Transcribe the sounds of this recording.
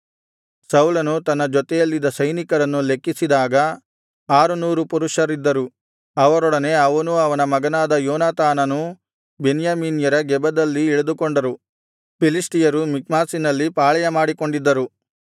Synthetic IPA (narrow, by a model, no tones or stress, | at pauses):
sɐwlɐnut̪ɐnːɐd͡ʒɔt̪ɛjɐlːid̪ːɐsɐjnikɐɾɐnːule̞kːisid̪aːɡɐ | aːɾunuːɾupuɾuʂɐɾid̪ːɐɾu | ɐʋɐɾɔɽɐne̞ɐʋɐnuɐʋɐnɐmɐɡɐnaːd̪ɐjɔːnaːt̪aːnɐnu | benjaːmiːnjɐɾɐɡɛbɐd̪ɐlːiːɭɐd̪ukoɳɖɐɾu | pilisʈijɐɾumik̚maːsinɐlːipaːɭɐjɐmaːɽiko̞ɳɖid̪ːɐɾu